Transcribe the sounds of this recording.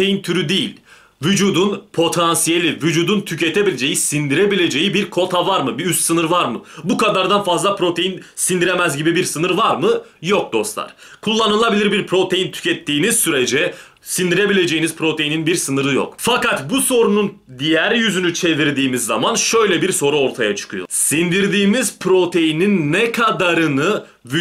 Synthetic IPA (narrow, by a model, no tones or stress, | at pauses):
ejint̪ʰyɾyd̪ejḭlʲ | vyd͡ʒuːd̪unpʰo̞t̪ʰansije̞lʲivyd͡ʒuːd̪unt̪ʰyce̞t̪ʰe̞bilʲed͡ʒe̞jisind̪iɾe̞bilʲe̞d͡ʒe̞jibiɾkʰo̞t̪ʰavaɾmɯbiyst̪sɯnɯɾvaɾmɯbukad̪aɾd̪anfazlˠapɾo̞t̪ʰe̞jinsind̪iɾe̞mæzɟibibiɾsɯnɯɾvaɾmɯjok̚d̪o̞slˠa̰ɾ̥ | kʰulˠːanɯlˠabilʲiɾbiɾpʰɾo̞t̪ʰe̞jint̪ʰy̥cʰɛt̪ʰːiːniz̥syɾed͡ʒɛ | sind̪iɾe̞bilʲe̞d͡ʒe̞jinizpʰɾo̞t̪ʰe̞jininbiɾsɯnɯɾɯjo̰kfakat̪buso̞ɾunun | d̪ijæɾjyzynyt͡ʃʰe̞viɾd̪iːmizːa̰manʃø̞jlʲɛbiɾso̞ɾuo̞ɾt̪ʰajat͡ʃʰɯ̥kʰɯjo̰sind̪iɾd̪iːmizpʰɾo̞t̪ʰe̞jininːɛkʰad̪aɾɯnɯ | y